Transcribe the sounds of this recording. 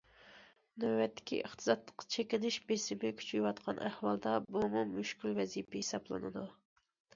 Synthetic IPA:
nɛːɛt̪ʰːɪ̥kʲʰḭʔəχt̪ʰɨzɑd̪lˠə̥qʰːɑ̥t͡ʃʰekʲɪnɪʃbesɪmɪkʲʰy̥t͡ʃʰyjwɑt̪qʰɑnʔæhwɑlˠd̪ɑbumumyʃkʲylvɛzipɪhesɑblˠɨ̰nɨ̰d̪u

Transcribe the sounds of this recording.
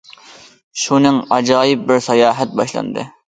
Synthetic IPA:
ʃunɨŋɑd͡ʒɑːjɨp̚bɪɾsɑjɑːɦɛt̪̚bɑʃlˠɑ̰nd̪ɨ̰

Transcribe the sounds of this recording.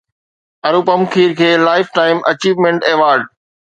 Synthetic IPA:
ɐɾuːpɐmkʰiːɾkʰeːlaːɪfʈaːɪmʔɐt͡ɕiːʋmẽɳʈeːʋaːɾɖ

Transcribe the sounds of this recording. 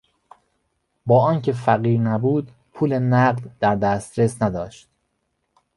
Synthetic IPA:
bɒːɒːncʰefæɣiːɾnæbuːd̪ | pʰuːlenæɢd̪d̪æɾd̪æst̪ɾe̞snæd̪ɒːʃt̪̚

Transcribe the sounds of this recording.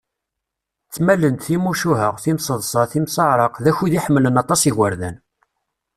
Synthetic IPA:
t͡sːmælənt̪θimuʃuɦəʁθimsəðˤsˤɑθimsɑʕɾˤəqðæçuðiħəmːlənɑt̪ˤːɑsiɣəɾðæn

